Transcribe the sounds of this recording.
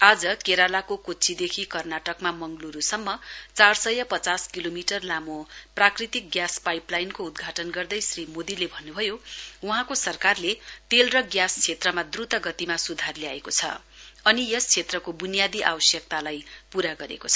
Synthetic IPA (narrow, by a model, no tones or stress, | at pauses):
ad͡zʌkeɾalakokot͡sʰid̪ekʰikʌrnaʈʌkmamʌŋɡluɾusʌmːʌt͡sarsʌjʌpʌt͡saskilomiʈʌrlamoprakrit̪ik̚ɡjaspajplajnkoud̪ɡʱaʈʌnɡʌrd̪ʌjsrimod̪ilebʱʌnːubʱʌjouɦãkosʌrkarlet̪elrʌɡjast͡sʰet̪rʌmad̪rut̪ʌɡʌt̪imasud̪ʱarljaekot͡sʰʌ̰ | ʌnijʌst͡sʰet̪rʌkobunijad̪iʔa̰wʌsjʌk̚t̪alajpuɾaɡʌɾḛkot͡sʰʌ